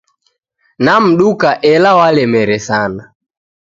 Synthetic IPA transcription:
nam̩ɗukaʔɛlawalɛmɛɾɛsana

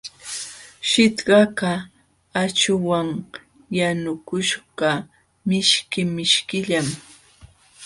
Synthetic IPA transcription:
ʃɪt̪ɢɑka | at͡ʃʊwaŋ | janʊkʊʃɢɑ | mɪʃkɪmɪʃkɪʎam

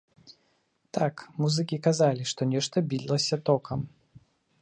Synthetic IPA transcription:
t̪akmuzɨkʲikazalʲiʂt̪ɔnʲɛʂt̪ɐbʲid̪ʲlˠɐsʲɐt̪ɔkʰɐm

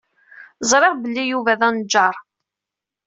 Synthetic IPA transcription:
zˤɾˤeʁbəlːijuvæðænd͡ʒːɑɾˤ

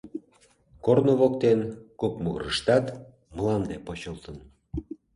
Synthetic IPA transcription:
kornoβokt̪enkop̚muɣəɾəʃt̪ɑt̪ | məlɑnd̪epot͡ɕəlˠt̪ən

